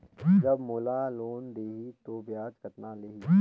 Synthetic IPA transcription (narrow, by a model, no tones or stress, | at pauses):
d͡ʒɐbmoːlaloːnd̪eːɦit̪objaːd͡ʒkɐt̪naleːɦiː